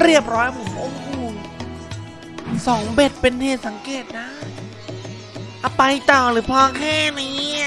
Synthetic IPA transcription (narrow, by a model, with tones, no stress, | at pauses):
ɾi˥˩əp̚ɾɔː˦˥ja˧pʰo˨˩˦mʔo˧mkʰuː˧˩ | sɔː˩˦ŋbe˨˩t̪̚pe˧nheː˨˩t̪̚sa˩˦ŋkeː˨˩t̪̚na˦˥ | ʔa˧pa˧jt̪ɔː˨˩ɾɯː˩˦pʰɔː˧kʰɛː˥˩niː˧˦˥